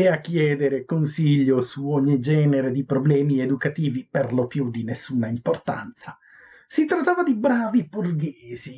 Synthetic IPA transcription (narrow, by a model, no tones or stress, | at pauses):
eakːjɛːd̪eɾekonsiʎːosuɔɲːid͡ʒɛːneɾed̪ipɾoblɛːmied̪ukat̪iːviperlopjud̪inesːuːnaimport̪a̰nt̪sa | sit̪ɾat̪ːaːvad̪ibɾaːvipurɡeːzi